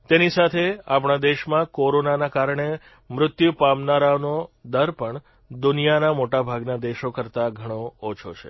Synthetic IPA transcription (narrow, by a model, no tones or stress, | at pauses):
t̪enisat̪ʰeap̬ɳ̃ad̪eʃmãkoɾonanakaɾɳe | mɾʊt̪jupamnaɾanod̪əɾpəɳ | d̪ʊnijanamoʈabʱaɡnad̪eʃokəɾt̪aɡʱəɽ̃oːt͡ʃʰot͡ʃʰḛ